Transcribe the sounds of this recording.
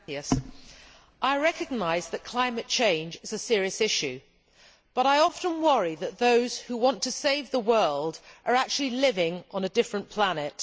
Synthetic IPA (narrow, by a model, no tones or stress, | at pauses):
iɨs | ʔaɪɹɛkɨɡ̚naɪzðɨt̚kʰl̥ãɪ̃mɨt̚t͡ʃʰẽɪ̃nd͡ʒɪzɨsɪɹiɨsɪʃʉ | b̥ʌɾaɪɑfə̃nwʌɹiðɨt̪̚ðoʊz̥huwɑ̃ntʰɨseɪvðəwɜ˞lˠdʔə˞æk̚t͡ʃʉl̩ˠilɪvɪ̃ŋʔə̃nədɪfɹə̃npʰl̥ænɨt̚